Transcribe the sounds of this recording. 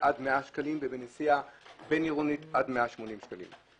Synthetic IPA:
ʔadmeaʃkalimbebenesiabeniʁunitadmeaʃmo̞nimʃkalḭm

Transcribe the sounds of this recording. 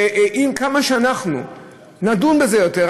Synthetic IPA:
ʔimkamaʃeanaχnṵ | nadunbe̞zejo̞t̪eʁ

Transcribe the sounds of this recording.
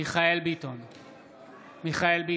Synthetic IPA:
iχaelbit̪on | miχaelbi

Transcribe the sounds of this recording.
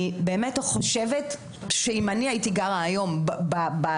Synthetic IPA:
ibe̞ːmetχo̞ʃevet | ʃeimaniaitiɡaʁaːjo̞mbbaba

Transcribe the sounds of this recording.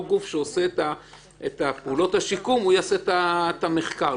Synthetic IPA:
ɡufʃeoseta | et̪apeuːlo̞thaʃikumujaset̪atame̞χka

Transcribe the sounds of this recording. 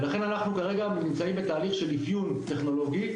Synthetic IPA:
laχe̞nanaχnukaʁe̞ɡanimt͡saimbet̪aːliχʃe̞lifjunt̪e̞χno̞lo̞ɡi

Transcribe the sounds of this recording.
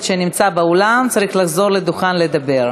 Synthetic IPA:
ʃenimt͡sabeolamt͡saʁiχlaχzo̞ʁle̞d̪uχanle̞d̪abe̞ʁ

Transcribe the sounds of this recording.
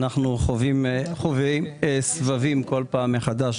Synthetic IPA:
naχnuχovimχovimsvavimko̞lpaːmːeχad̪aʃ

